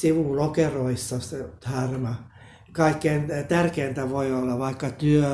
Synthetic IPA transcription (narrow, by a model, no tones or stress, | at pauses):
siʋulokeroisːɑset̪hɑrnɑ | kɑikːeint̪ærkeːnt̪æʋoiolːɑʋɑikːɑt̪yø